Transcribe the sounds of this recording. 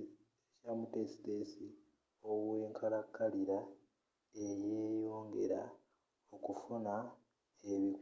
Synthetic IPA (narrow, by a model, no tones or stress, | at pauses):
camutesi̥tesi | owwe̞ːŋkʰaɾakːaliɾa | ejeːjo̞ːŋɡe̞̰ɾa̰ | okufuna | eβi